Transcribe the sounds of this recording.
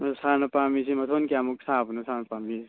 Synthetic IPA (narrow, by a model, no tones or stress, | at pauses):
sanɐpamisimɐt̪ʰonkiamuk̚saːbnɐsanpami